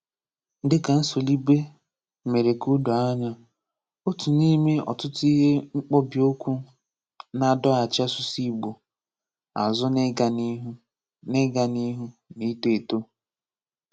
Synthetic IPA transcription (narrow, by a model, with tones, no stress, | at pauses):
n̩˦dɪ˦ka˨n̩˦so˨li˦be˦ | me˨ɾe˨ku˦do˨a˦ɲa˦ | o˦tu˨ni˦me˦ɔ̰˨tʊ˦tʊ˦i˦ɦe˦ŋ͡m̩˦k͡pɔ˦bi˨o˦kʷu˦ | na˦dɔ˦a˨t͡ʃa˦sʊ˦si˦ɡ͡bo˨ | a̰˨zʊ˦n˦a˨n˦ɦ | ne˦ɡa˨ni˦ɦu˦ni˦te˨to˦